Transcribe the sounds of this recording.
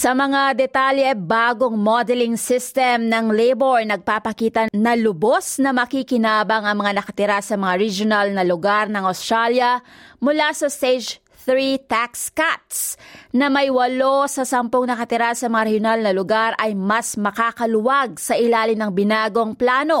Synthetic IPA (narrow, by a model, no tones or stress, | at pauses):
sɐmɐŋad̪ɛt̪aljɛbaːɡoŋmod̪ɛlɪŋsɪst̪ɛmnɐŋlejboɹnɐɡ̚papɐkiːt̪ɐnɐlʊbosnɐmɐkikɪnaːbɐŋɐŋmɐŋanɐkɐt̪ɪɾasɐmɐŋaɾid͡ʒonɐlnɐlʊɡaɾnɐŋɐʊst̪ɾaljɐmʊlasɐst̪ejd͡ʒ | θɹit̪akskat̪̚snɐmɐjwɐlosɐsɐmpoŋnɐkɐt̪ɪɾasɐmɐŋaɾɛhjonalnɐlʊɡaɾʔɐjmɐsmɐkaːkɐlʊwaɡ̚sɐʔɪlaːlɪmnɐŋbɪnaːɡo̞ŋplaːno̞